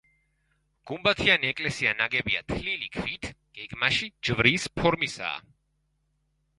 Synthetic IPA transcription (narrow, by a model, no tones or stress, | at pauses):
ɡ̥umbat̪ʰianiɛkʼlɛsianaɡɛbia̰t̪ʰlilikʰvit̪ʰɡ̥ɛɡmaʃid͡ʒvɾiːspʰɔɾmisa̰ː